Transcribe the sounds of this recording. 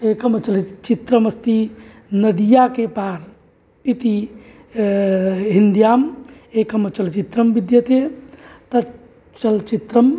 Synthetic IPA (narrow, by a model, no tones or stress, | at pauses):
ekəmt͡ʃəlt͡ʃit̪ɾəməst̪i | nəd̪ijakepaɾ | it̪i | ɦind̪jaːmekəmət͡ʃəlt͡ʃit̪ɾəmbid̪jət̪et̪ə | t͡ʃəlt͡ʃit̪ɾəm